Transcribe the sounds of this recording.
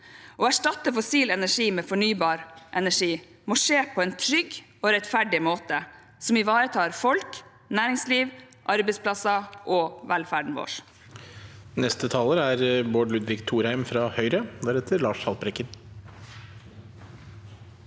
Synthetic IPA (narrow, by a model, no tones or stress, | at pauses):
ʔɔːæʂʈɑt̪əfʊsiːlɛnæʂiːmeːfɔɳyːbɑːɾʔɛnæʂiː | moːʂeːpʰɔːɛːnt̪ʰɾʏɡ | oːɾɛt̪fæɖɪmoːt̪ə | sɔmɪʋɑːɾət̪ʰɑːɾfɔlk | næːɾɪŋsliːʋ | ʔɑɾbɛɪspʰlɑsɑʔɔːʋɛlfæːɖɳ̩ʋo̰ːʂ | nɛst̪ət̪ʰɑːləɾæɾboːɖlʉd̪ʋɪkt̪ʰuːɾhæɪmfɾɑhœʏɾəd̪æɾɛt̪ʰəɾlɑːʂhɑlpɾɛkːən